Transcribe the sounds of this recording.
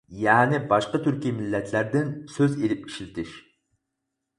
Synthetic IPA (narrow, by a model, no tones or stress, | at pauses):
jɛːnɪbɑʃqət̪ʰyɾkʲimɪlːɛt̪ʰlæɾd̪ɪnsøzelɪp̚i̥ʃlɪt̪ʰɪʃ